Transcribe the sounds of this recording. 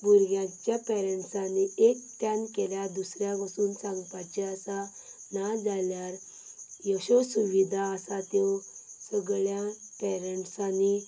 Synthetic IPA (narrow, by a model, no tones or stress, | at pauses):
buɾɡjãt͡ɕjapɛɾəɳʈsaniʔek̚t̪jankeljad̪usɾjakəsuːnsãŋɡpat͡ɕeasa | nad͡zaljaɾ | jɔɕɔsuʋid̪ʱaəsat̪jɔsəɡɭjãpɛɾəɳʈsani